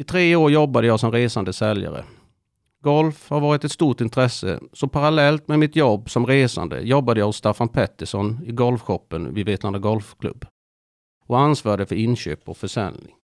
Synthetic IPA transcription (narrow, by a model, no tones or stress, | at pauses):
ɪt̪ʰɾeːoːɾjɔbːad̪əjɑːsɔmɾeːsand̪əsɛlja̰ɾə̰ | ɡɔlfhaɾvɑːɾɪt̪ɛt̪st̪uːʈɪnt̪ʰɾɛsə̰sɔpʰaɾalɛlt̪mɛmɪt̪jɔbːsɔmɾeːsa̰nd̪ə̰jɔbːad̪əjɑːhʊst̪afanpʰɛt̪ːəʂɔnɪɡɔlfɧɔpːənvɪveːt̪land̪əɡɔlfkʰlɵ̰bː | ɔansvɑːɖ̪əfœɾɪnɕø̰ːpɔkfœʂɛ̰lnɪŋ